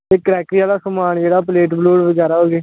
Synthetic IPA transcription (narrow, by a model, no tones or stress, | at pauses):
eːkɾɛːkɾiaːlaːsəmaːɳd͡ʒeːɽaːpleːʈbloːɽʋəd͡ʒaːɾaːɦoːɡeː